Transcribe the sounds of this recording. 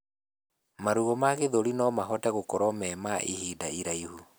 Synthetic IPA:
maɾuɣɔmaɣeðoɾinɔmaɦɔtɛɣokɔɾɔmɛmaʔihidaiɾaihu

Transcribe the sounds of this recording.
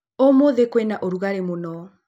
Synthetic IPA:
omoðekwɛnaʔoɾuɣaɾemonɔ

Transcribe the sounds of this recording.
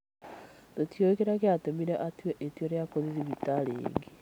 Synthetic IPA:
totjoiɣeɾaɣeatemiɾɛʔatiwɛʔetiɔɾjakoðiðiβitaɾḛːŋɡe

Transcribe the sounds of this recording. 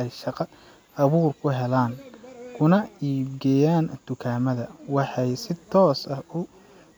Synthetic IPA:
ɛjʃɑqɑ | ɐβuːrkʰʊɦɛlaːŋkʰʊnɐiːbɡɛjaːnt̪ʊkʰaːmɐðɐwɑħɑjsɪt̪ʰːɔːsɐhʊ

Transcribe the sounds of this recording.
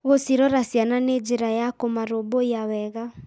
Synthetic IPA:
ɣosiɾɔɾasiananed͡ʒeɾajakomaɾoboawɛɣa

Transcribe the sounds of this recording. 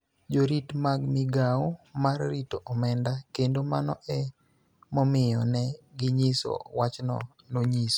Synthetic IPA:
d͡ʒoɾitmaɡmɪɡaomarːitoʔɔmɛndakendomanɔ̰ʔɛ | mɔmɪjɔnɛɡɪɲiso̰wat͡ʃnɔ̰ | noɲiso̥

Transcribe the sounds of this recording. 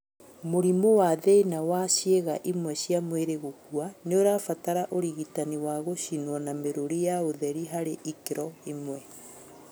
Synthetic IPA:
moɾimowaðeinawaɕeɣaʔimwɛɕiamweɾeɣokuaneoɾaːfataɾaʔoɾiɣitaniwaɣoɕinwɔnameɾoɾijaoðɛɾiɦaɾeʔikeɾɔimwɛ

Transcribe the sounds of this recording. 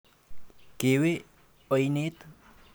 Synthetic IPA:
kewe | ɔjnet̪

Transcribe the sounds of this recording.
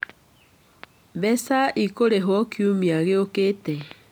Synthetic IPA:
βɛsaʔikoɾeɦwɔkjumiaɣeoketɛ

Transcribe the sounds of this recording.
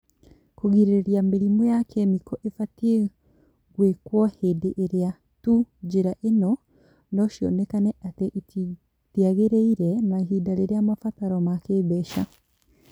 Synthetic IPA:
koɣiɾeɾeɾjameɾimɔjakʰemikɔʔefatie | ɣwekwɔhedeʔːɾea | tud͡ʒeɾaʔenɔ | nɔʃjɔ̰nɛkanɛʔateʔiti | tiaɣeɾeiɾɛnaɦiːdaɾeɾeamafataɾɔmakeβɛʃa

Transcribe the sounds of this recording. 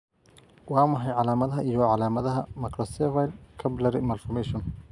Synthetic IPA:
wɑːmɐħɑjʕɑlaːmɐðɐɦɐʔijɔʕɑlaːmɐðɐɦɐmɐkʰɾɔsɛvajlkʰɐblɐɾɪmalfɔmɛʃɔn

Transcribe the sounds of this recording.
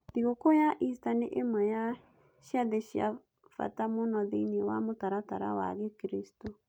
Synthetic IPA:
ðiɣokojaʔistaneʔemaja | ʃjaðeʃja̰ | fa̰tamonɔðeinewa̰motaɾataɾa̰wa̰ɣekɾistɔ

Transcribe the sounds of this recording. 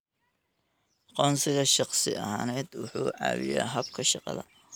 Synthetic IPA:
qɔːnsɪɣɐʃɑqsɪɐɦaːnɛːd̪wʊħuːʕɑ̰ːwɪja̰ːɦɐb̚kʰɐʃɑqɑ̰ðɐ̰

